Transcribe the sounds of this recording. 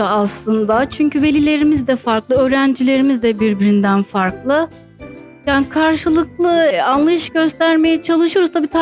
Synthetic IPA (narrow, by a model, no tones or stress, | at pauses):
aslˠɯnd̪at͡ʃʰyɲcʰyve̞lʲilʲe̞ɾimizd̪ɛfaɾklˠɯø̞ːɾænd͡ʒilʲe̞ɾimizd̪ɛbiɾbiɾind̪ænfaɾklˠɯ | jaːnikʰaɾʃɯlˠɯk̚lˠɯanlˠajɯʃɟø̞st̪ʰæɾme̞jɛt͡ʃʰalˠɯʃujo̞ɾuzt̪ʰabiːt̪ʰa